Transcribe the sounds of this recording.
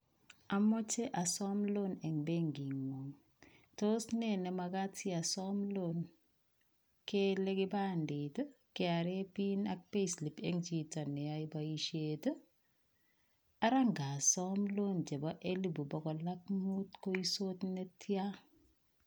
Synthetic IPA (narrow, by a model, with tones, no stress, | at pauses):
a˨mɔ˦t͡ʃe˦ʔa˨sɔ˦mlo˦nɛ˨ŋbe˦ŋɡi˨ŋo˨ŋ | to˦snɛ˦˨nɛ˨ma˨ɡa˦tʰi˦a˨sɔmlon | ke˦le˦ɡɪ˦ba˦ndi˨t | kɪ˦a˨ɾe˦pi˦na˦k̚pe˦sli˨pe˦ŋd͡ʒi˨ta˨nɛ˨ja˦i˦ba˦i˦ʃet | a˦ɾa˦ŋɡa˨sɔmlo˦nd͡ʒe˨ba˦ʔe˦li˦bu˨bɔ˨ɡɔ˨la˦k̚mu˦tko˦i˦so˦tne˦tʰja˦